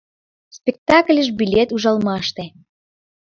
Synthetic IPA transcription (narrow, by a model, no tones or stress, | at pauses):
spʲek̚t̪ɑklʲəʒbilʲet̪uʒɑlmɑʃt̪e